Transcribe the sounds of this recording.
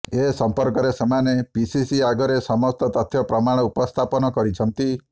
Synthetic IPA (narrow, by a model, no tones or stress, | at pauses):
esɔmpɔɾkɔɾesemanepisisiaɡɔɾesɔmɔst̪ɔt̪ɔt̪ʰjɔpɾɔmaɽ̃ɔupɔst̪ʰapɔnɔkɔɾit͡ʃʰɔnt̪i